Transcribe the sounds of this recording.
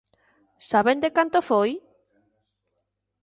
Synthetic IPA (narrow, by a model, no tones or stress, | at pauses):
saβend̪ekant̪ofoj